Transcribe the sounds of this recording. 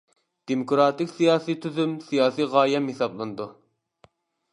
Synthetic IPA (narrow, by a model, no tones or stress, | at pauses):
d̪̥emokɾɑːt̪ɪkʲsijɑːsit̪ʰyzymsijɑːsiʁɑːjɛmhesɑblˠɨnɨd̪u